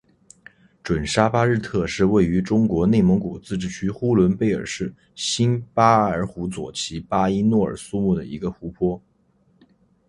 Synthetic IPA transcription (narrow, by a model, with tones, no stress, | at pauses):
ʈ͡ʂwə˨˩nʂa˥pa˥ɻɻ̩˥˧t̪ʰɤ˥˧ʂɻ̩˥˧we˥˩ɪy˧˥ʈ͡ʂʊ˥ŋkwɔ˧˥ne˥˩ɪmə˧˥ŋku˨˩t͡sɹ̩˥˧ʈ͡ʂɻ̩˥˩t͡ɕʰy˥xu˥lwə˧˥npe˥˩ɪə̰˞˨˩ʂɻ̩˥˩ | ɕi˥npa˥ə˞˧˥xu˧˥t͡swɔ̰˨˩t͡ɕʰi˧˥pa˥i˥nwɔ˥˩ə̰˞˨˩su˥mu˥˩d̪ə̰˩i˧˥ɡə˧xu˧˥pʰwɔ˥